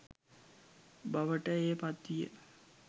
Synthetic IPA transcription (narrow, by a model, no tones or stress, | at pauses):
baʋəʈəeːpat̪ːijə̰